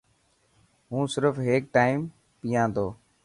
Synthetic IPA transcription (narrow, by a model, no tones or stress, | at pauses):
ɦũːsɪɾfɦeːk̚ʈaːɪm | pijãːd̪oː